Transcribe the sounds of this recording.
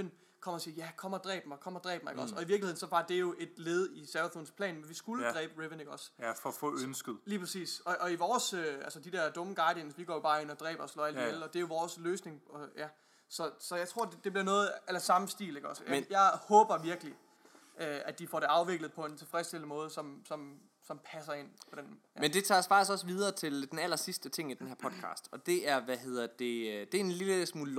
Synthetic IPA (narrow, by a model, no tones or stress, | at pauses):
n | kʰɒ̽mɐsiːjækʰɒ̽m̰ɐd̥ʁɛ̰ːb̥mɑ̈ɪkʰɒ̽m̰ɐd̥ʁɛ̰ːb̥mɑ̈ɪeɡ̥ɒ̽sɒ̽iʋiɐ̥lihe̝ðˠnsɒ̽b̥ɑ̈d̥e̝æjo̝ʔe̝d̥leːð̞̩ˠisæʋɐθonspʰlɛ̰ːnmenʋisɡ̥uləd̥ʁɛ̰ːb̥əʁeʋəne̝ɡ̥ɒ̽sfɒfɔ̰ønsɡ̥ð̩ˠliːpʰʁasḭːsɒ̽ʔɒiʋɒːsøælsəd̥id̥ɛɐd̥ɔ̽məɡ̥ɑ̈ɪd̥jensʋiɡ̥ɒ̰ːjo̝b̥ɑ̈ːe̝n̰ɒd̥ʁɛ̰ːb̥ɐslɒ̰ːæl̰diel̩ˠɒ̽d̥e̝æjo̝ʋɒːsløːsne̝ŋjæ | sɒ̽sɒ̽jɑ̈ɪt͡sʰʁo̝ɐ̰dd̥e̝b̥liɐnɔ̽ːð̩ˠelɐsɑ̈mm̩sd̥ḭːle̝ɡ̥ɒsəmenjɑɪhɔ̽ːb̥ɐʋiɐɡ̥li | øæd̥ifɒ̰ːɾ̥e̝ɑ̈ʊʋe̝ɡ̥ləð̞̩ˠpʰɒ̽e̝nt͡sʰe̝lfʁɛsd̥eln̩mɔ̽ːð̞ˠəsɒ̽msɒ̽m | sɒ̽mpʰæsɐe̝n̰pʰɒ̽d̥en | mend̥e̝t͡sʰɑ̰sfɑ̈ɡ̥̚isɡ̥ɒ̽səʋið̞ˠɐːt͡sʰe̝ld̥enæl̰ɐsisd̥ət͡sʰe̝ŋ̰id̥enɦæɐ̰pʰɒ̽d̥kʰɑ̰̈ːsd̥ɒ̽d̥e̝æɐʋæɦe̝ð̰ˠɐd̥e̝d̥e̝ɐenliləsmuːl